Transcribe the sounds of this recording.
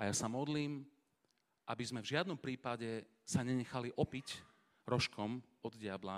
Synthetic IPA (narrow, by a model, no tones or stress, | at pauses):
ajasamɔd̪liːm | ʔabizmɛvʒɪad̪nɔmpɾiːpaɟɛ | saɲɛɲɛxaliʔɔpic | ɾɔʃkʰɔm | ɔd̪ɟɪabla